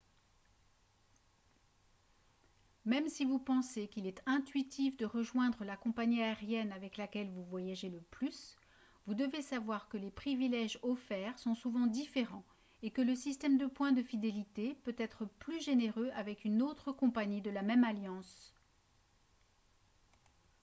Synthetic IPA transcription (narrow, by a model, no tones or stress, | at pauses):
mɛmsivupɑ̃sekʲilɛt̪ɛ̃t̪ɥit̪ʰifd̪əʁəʒwɛ̃d̪ʁəlakɔ̃paɲiaeʁjɛnavɛklakʲɛlvuvwajaʒeləplys | vud̪əvesavwaʁkəlepχivilɛʒɔfɛːʁsɔ̃suvɑ̃d̪ifeʁɑ̃ | ekələsist̪ɛmd̪əpwɛ̃d̪əfid̪elit̪epøt̪ɛt̪χəplyʒeneʁøʔavɛkynot̪χəkɔ̃paɲid̪əlamɛmaljɑ̃s